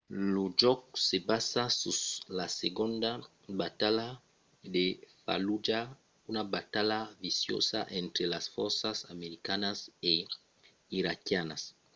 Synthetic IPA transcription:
lud͡ʒɔksebasasuslaseɡond̪a | bat̪ala | d̪efa̰lud͡ʒa | unabat̪alavisjo̰sa̰ʔent̪ɾelasfɔɾsasameɾikanase | iɾakjanas

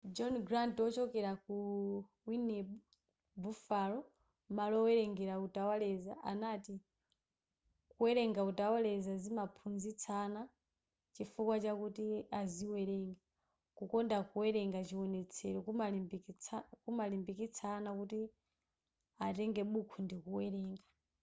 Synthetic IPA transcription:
d͡ʒɔnɡɾantɔt͡ʃɔkɛɾaku | winɛɓu | bufalɔ | malɔwɛɾɛŋɡɛɾautawalɛzaʔanati | kuwɛɾɛŋɡautawalɛzazimapʰunzit͡sʰana | t͡ʃifukwat͡ʃakutiaziwɛɾɛːŋɡa | kukɔndakuwɛɾɛŋɡat͡ʃiwɔnɛt͡sʰɛɾɔkualibakumalimbikit͡sʰaːnakuti | atɛŋɡɛɓukʰundikuwɛɾɛːŋɡa

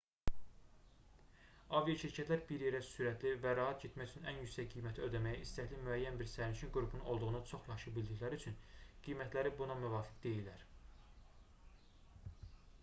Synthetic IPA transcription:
ɑvijɑʃiɾcʰæt̪ʰlæɾbiɾjeɾæsyɾæt̪ʰlivæɾɑɦɑt̪ɟet̪mæjyt͡ʃʰynænjycʲsæcɡijmæt̪ʰiød̪æmæjæist̪æçlimyæjːænbiɾsæɾniʃinɡuɾupʰununo̞lˠd̪uʁunɑt͡ʃʰo̞χjɑʃɯbild̪içlæɾiyt͡ʃʰynɡ̥ijmæt̪ʰlæɾibunɑmyvɑːfi̥kd̪e̞jilːæɾ

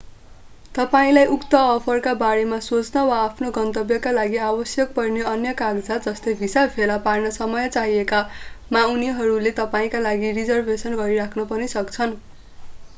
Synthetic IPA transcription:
t̪ʌpaĩlajʔukt̪ʌːpʰʌrkabaɾemasot͡snʌwaːpʰnoɡʌnt̪ʌbjʌkalaɡiabʌsjʌk̚pʌrneʌnjʌkaɡd͡zad͡zʌst̪ebʱisapʰelaparnʌsʌmʌjʌt͡saɦiekamawniɦʌɾulet̪ʌpaĩkalaɡirid͡zʌrbʱesʌnɡʌɾiɾakʰnʌpʌnisʌkt͡sʰʌn

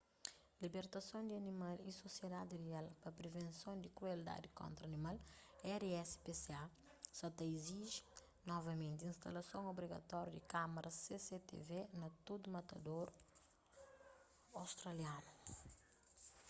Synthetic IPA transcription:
libeɾt̪ɐsõd̪iɐnimalisosjed̪ad̪irialpɐpɾevẽnsõnd̪ikɾueld̪a̰d̪ikõ̰nt̪ɾɐnimalɛɾɛspesea | sɐt̪ɐiziʒi | nɔvɐmẽnt̪ĩnst̪ɐlɐsõŋobɾiɡɐ̰t̪ɔɾjud̪ikamɐɾʔɐseset̪ḛvenɐt̪od̪umɐt̪ɐd̪oɾ | awst̪ɾɐljanu

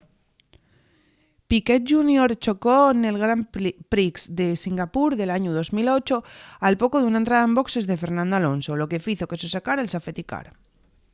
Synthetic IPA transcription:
piket̪̚ʒunjoɾt͡ʃo̞kone̞lɣ̞ɾampɾiksd̪e̞siŋɡapuɾðe̞laɲoðo̞zmilo̞t͡ʃo̞alpo̞koðunaent̪ɾað̞aembo̞kse̞zðe̞fe̞ɾnãnd̪oalo̞nso̞lo̞ke̞fiθo̞ke̞sesekaɾelsafet̪ika̰ɾ

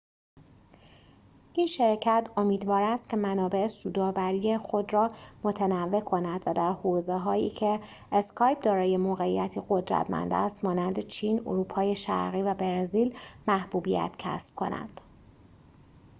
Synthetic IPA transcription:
ʔinʃeɾcʰæt̪ʰo̞miːd̪vɒːɾæst̪cʰʲe̞mænɒːbe̞esuːd̪ɒːvæɾiːje̞xo̞d̪rɒːmo̞t̪ʰenævːe̞kʰo̞næd̪̥væd̪æɾhoːzeɦɒːjḭːcʰe̞ː | skʰɒːjp̚d̪ɒːɾɒːje̞moːɣe̞ijæt̪ʰiɢo̞d̪ɾæ̰t̪ʰmæ̰nd̪æ̰st̪mɒːnænd̪e̞t͡ʃʰiːno̰ɾuːpʰɒːje̞ʃæ̰ɾɣiːvæbeɾziːlmæhb̥uːbijæ̰t̪cʰæ̰sb̥̚kʰo̞̰næ̰d̪̥

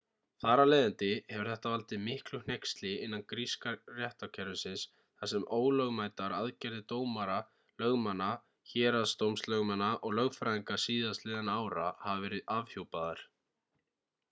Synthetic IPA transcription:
θaːɾaleːjðɪnt̪ɪhɛvʏɾ̥θɛht̪avalt̪ɪmɪhklʏn̥ejkst̪lɪɪnːankɾiskarjɛht̪awcʰɛɾʏsɪns | θasɛmoːwlœɣmaːjt̪aɾaðcɛɾðɪt̪oːwmaɾa | lœɣmanːa | çɛːɾaðst̪owmslœɣmanːaʔɔɣlœɣfɾaiŋkasiːðastlɪːðanaːwɾa̰havavɛːɾɪðavhjowpaðaɾ̥

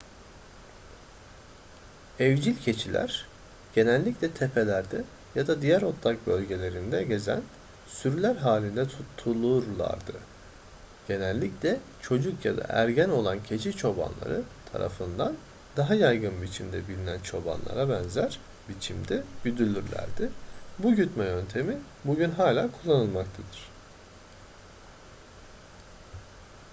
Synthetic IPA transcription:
ɛvd͡ʒilʲcʰe̞t͡ʃʰilʲæ̰ɾ̥ | ɟ̥e̞nælʲːiclʲɛt̪ʰe̞pʰe̞lʲæɾd̪ɛ | jad̪ad̪ijæɾo̞t̪ʰːak̚bø̞lʲɟe̞lʲe̞ɾind̪ɛɟe̞zæ̰n | syɾylʲæɾɦaːlʲind̪ɛt̪ʰut̪ʰːulˠuɾlˠa̰ɾd̪ɯ | ɟ̥e̞nælʲːiclʲɛ | t͡ʃʰo̞d͡ʒukja̰d̪a̰ʔæɾɟæno̞lˠancʰe̞t͡ʃʰit͡ʃʰo̞ba̰nlˠa̰ɾɯt̪ʰa̰ɾa̰fɯnd̪an | d̪aɦajajɡɯnbit͡ʃʰimd̪ɛ̰bilʲinænt͡ʃʰo̞ba̰nlˠa̰ɾabænzæɾ | bit͡ʃʰimd̪ɛbyd̪ylʲyɾlʲæ̰ɾd̪ɪbuɟyt̪mɛjø̞nt̪ʰe̞mi | buɟynɦaːlʲaːkʰulˠːanɯlˠmak̚t̪ʰad̪ɯɾ̥

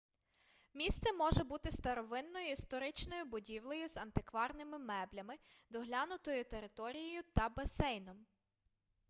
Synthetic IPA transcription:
mʲist̪sɛmɔʒɛbut̪ɪst̪ɐɾɔʋɪnːɔjʊist̪ɔɾɪt͡ʃnɔjʊbʊdʲiwlˠɔjʊzɐnt̪ɪkʋɑrnɪmɪmɛblʲɐmɪd̪ɔɦlʲanʊt̪ɔjʊt̪eɾɪt̪ɔɾʲijɔjʊt̪ɐbɐsɛjnɔm

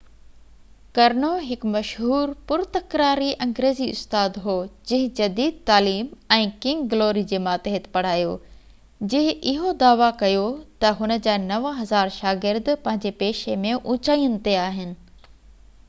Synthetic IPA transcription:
kɐɾnoɦɪkmɐʃɦuːɾpʊɾt̪ɐkɾaːɾiʔɐ̃ŋɡɾeːziʊ̰st̪aːd̪ɦoːd͡ʑɪ̃ɦɪ̃d͡ʑɐd̪iːd̪̚t̪aːliːmɛ̃ːkɪ̃ŋɡɡloːɾid͡ʑeːmaːt̪eɦɪt̪pɐɽ̤aːjoː | d͡ʑɪɦɪ̃ɪɦod̪aːʋakɐjot̪ɐɦʊnə̆d͡ʑaːnɐʋəɦɐzaːɾʃaːɡɪɾd̪pɐ̃ɦɪ̃ɲ̆d͡ʑepeːʃemẽʔʊ̃ːt͡ɕaːijənɪ̆t̪eaːɦɪnɪ̆

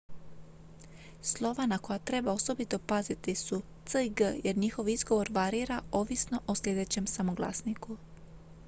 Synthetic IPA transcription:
slˠo̞ʋanako̞jat̪ɾe̞bao̞so̞bit̪o̞pazit̪isut̪səiɡəje̞ɾɲixo̞ʋizɡo̞ʋo̞ɾʋaɾiːɾao̞ʋisno̞ʔosʎʲe̞d̪e̞t͡ɕemsamoɡlˠa̰sniku

